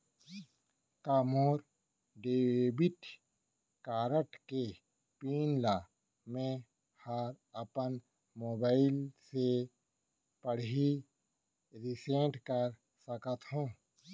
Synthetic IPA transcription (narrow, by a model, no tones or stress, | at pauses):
kaːmoːɾ | ɖeːbɪʈ | kaːɾəʈke | piːnlaː | mẽ | haɾ | əpən | moːbaːɪlse | pəɽi | ɾɪsẽːʈkəɾ | səkət̪ɦũː